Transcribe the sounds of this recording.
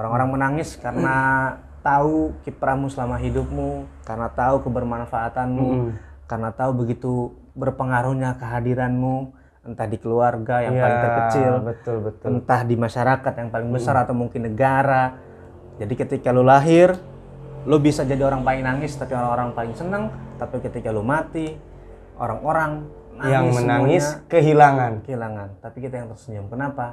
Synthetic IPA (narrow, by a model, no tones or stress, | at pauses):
oɾaŋoɾaŋmənaŋɪskarna | t̪aukipəɾamusəlamaɦidʊp̚mukarnat̪aukəbərmanfaːt̪anmu | karənat̪aubəɡit̪u | bərpəŋaɾuɲakəɦadiɾanmu | ənt̪ahdikəluarɡajaŋpalɪŋt̪ərkət͡ʃɪlbət̪ʊlət̪ənt̪ahdimaʃaɾakat̪jaŋpalɪŋbəsaɾat̪awmuŋkɪnːəɡaɾa | d͡ʒadikət̪ikalulaɦɪr | lubisad͡ʒadioɾaŋpaɪŋnaŋɪst̪apioɾaŋoɾaŋpalɪŋsənəŋt̪apikət̪ikalumat̪i | ʔo̰ɾaŋoɾaŋ | najaŋmənaŋɪakəɦilaŋankəɦilaŋant̪apikit̪ajaŋt̪ərsəɲamkənapa